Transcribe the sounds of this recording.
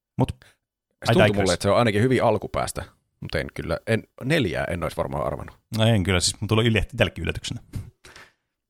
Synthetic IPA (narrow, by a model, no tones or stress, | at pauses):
mut̪ | ɑiuɑiumuulːeet̪seoɑˑinɑkihyʋiɑlkupæ̰ːst̪æ | mut̪ḛnkylːæ̰enneljæ̰ːʔḛnːoˑisʋɑrmɑ̰ːɑ̰rʋɑ̰nːu | eŋkylːæsist̪uleyljet̪ːit̪ælːkːˑiʔy̰lːæt̪y̥ksenæ